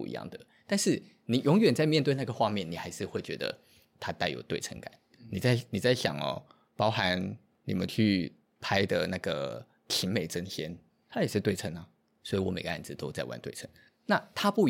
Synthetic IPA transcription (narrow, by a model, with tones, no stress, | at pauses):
ḭ˧jɑ̰˥˩ŋd̪ə˩ | t̪a˥˧nʂɻ̩˥˩ | ni˨˩jʊ˧˥ŋɥɛ˨˩nt͡sa˥˧ɪmjɛ˥˧nt̪we˥˧ɪn˥˩ɡə˩xwa˥˧mjɛ˥˩ni˨˩xa˧˥ɪʂɻ̩˥˧xwe˥˩ɪt͡ɕɥɛ˧˥d̪ə̰˧ | t̪ʰa˥t̪a˥˩ɪjo˨˩ʊt̪we˥˩ɪʈ͡ʂʰə̰˧˥ŋka̰˨˩˦n | ni˨˩t͡sa˥˩ɪni˨˩t͡sa˥˩ɪɕjɑ̰˨˩ŋɔ̰˨ | pɑ˥ʊxa˧˦n | nḭ˨˩mə̰˦nt͡ɕʰy˥˩ | pʰa˥ɪd̪ə˨na˥˩ɡə˩ | t̪ʰi˧˥nme˨˩ɪʈ͡ʂə˥nɕjɛ˥n | t̪ʰa˥jɛ˨˩ʂɻ̩˥˧t̪we˥˩ɪə˧˥ŋɐ˨ | swɔ˧˥i˨˩wɔ˧˥me˨˩ɪɡə˦ʔa˥˩nd͡zɹ̩˨t̪o˥ʊt͡sa˥˧ɪwa̰˥˧nt̪we˥˩ɪʈ͡ʂʰə̰˧˦ŋ | na˥˩t̪ʰa˥pu˥˩